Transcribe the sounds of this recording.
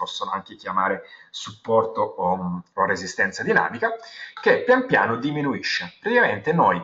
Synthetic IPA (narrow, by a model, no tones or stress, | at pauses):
pɔsːonoaŋk̟ek̟jamaːɾesupːɔrt̪ooorezist̪ɛnt̪sad̪ina̰ːmikak̟epːjampja̰ːnod̪iminuiʃːepɾet̪ikament̪enoj